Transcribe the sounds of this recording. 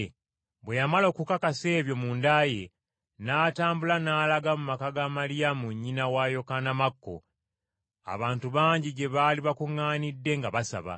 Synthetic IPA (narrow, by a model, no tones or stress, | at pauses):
βwe̞jamalo̞ːkukakase̞ːβjo̞mundaje̞ | naːtaːmbulanaːlaɡamumakaɡamalijamuɲːinawajo̞kanamakːo̞̰ | a̰βaːntuβaːɲɟiɟe̞βaːliβakuŋːaːnidːe̞ŋɡaβasa̰βa̰